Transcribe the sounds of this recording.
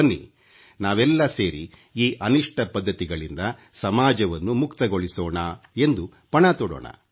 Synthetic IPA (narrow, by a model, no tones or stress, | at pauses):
ɐnːḭ | naːʋɛlːɐseːɾḭ | iːʔɐniʂʈɐpɐd̪ːɐt̪iɡɐɭind̪ɐsɐmaːd͡ʒɐʋɐnːumukt̪ɐɡo̞ɭisoːɳɐe̞nd̪u | pɐɳat̪ɔɽo̰ːɳɐ̰